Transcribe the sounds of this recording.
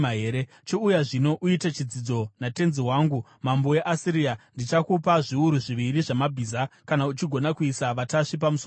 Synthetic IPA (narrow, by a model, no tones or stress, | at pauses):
ɦeːɾe | t͡ʃoujaʐino̞ʔuitat͡ʃid͡zid͡zo̞nate̞nziwaːŋɡu | mambo̞je̞ʔasiɾiandit͡ʃakupaʐiuɾuʐiʋiɾiʐamabʱiːzakanaut͡ʃiɡʱo̞nakuisaʋataʂip̬amuso